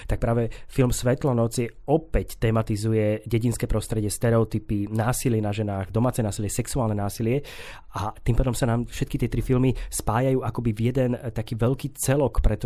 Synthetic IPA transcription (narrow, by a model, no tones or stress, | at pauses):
t̪ak̚pɾaːʋɛfilmsʋɛt̪lɔnɔt͡sjɛɔpɛct̪ɛːmat̪izujɛɟɛɟinskɛːpɾɔst̪ɾɛɟɪɛst̪ɛɾɛɔt̪ipinaːsilɪɛnaʒɛnaːɣd̪ɔmaːt͡sɛnaːsilɪɛsɛksuaːlnɛnaːsilɪɛ | at̪iːmpaːd̪ɔmsanaːmfʃɛt̪̚kit̪ɪɛt̪ɾifilmispaːjajuːakɔbivjɛd̪ɛnt̪akiːʋɛʎkiːt͡sɛlɔkpɾɛt̪